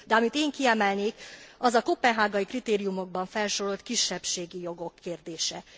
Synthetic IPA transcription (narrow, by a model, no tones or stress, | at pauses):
d̪ɛɒmit̪eːŋkiɛmɛlneːkɒzɒkopːɛnɦaːɡɒjikrit̪eːɾijumo̞ɡ̚bɒɱfɛlʃoɾo̞lt̪kiʃːɛpʃeːɡijo̞ɡo̞kʰːeːrd̪eːʃɛ